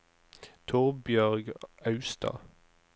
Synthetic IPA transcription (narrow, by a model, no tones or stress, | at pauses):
t̪ʰuːʁbjœʁɡɑʉst̪ʰɑ̰ː